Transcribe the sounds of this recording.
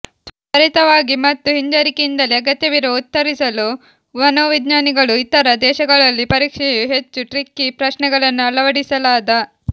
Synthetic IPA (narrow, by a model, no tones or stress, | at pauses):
pɐɾit̪ɐʋaːɡimɐt̪ːuɦiɲd͡ʒɐɾikeind̪ɐliɐɡɐt̪jɐʋiɾout̪ːɐɾisɐlu | ʋɐnoːʋid̪naːniɡɐɭuit̪ɐɾɐd̪ɛːʃɐɡɐɭɐlːipɐɾiːkʂɛjuɦe̞t͡ʃːuʈɾikːipɾɐʃnɛɡɐɭɐnːuɐlɐʋɐɽisɐlaːd̪ɐ